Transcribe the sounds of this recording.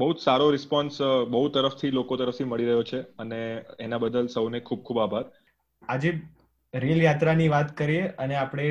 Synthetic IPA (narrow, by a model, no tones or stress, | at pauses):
bəɦut̪saɾoɾɪspɔnsbəɦut̪əɾəft̪ʰilokot̪əɾəft̪ʰiməɭiɾəɦjot͡ʃʰeəneenabəd̪əlsəwnekʰub̚kʰubabʱaɾ | ad͡ʒe | ɾeljat̪ɾaniʋat̪kəɾieəneapɽ̃e